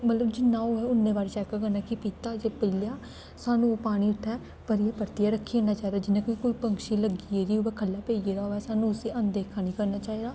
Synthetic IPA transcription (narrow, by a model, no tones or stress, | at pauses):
mət̪ləbd͡ʒɪnːãːoːɛːʊnːẽːʋaːɾit͡ʃɛːkakəɾnaːkɪpiːt̪aːd͡ʒeːpəljaː | saːnũːpaːɽ̃iːɪʈʰːɛː | pəɾiaːpəɾt̪ɪjaːɾəkʰːiːẽːnaːt͡ʃaːiːd̪aːd͡ʒɪnẽːkoiːkʊipəŋkʃiːləɡiːeːɾiːoːʋɛːkʰəlːaːpeːid͡ʒeːd̪aːɦoːɛːsaːnũʊseːʔənd̪eːkʰaːnĩːkəɾnaːt͡ʃaːiːd̪aː